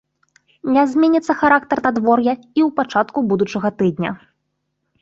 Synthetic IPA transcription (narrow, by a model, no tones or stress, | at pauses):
nʲɛzʲmʲɛnʲit̪sːɐxaɾak̚t̪ɐrnad̪vɔrjɐiwpat͡ʂat̪̚kubud̪ut͡ʂɐɣɐt̪ɨd̪ʲnʲɐ̰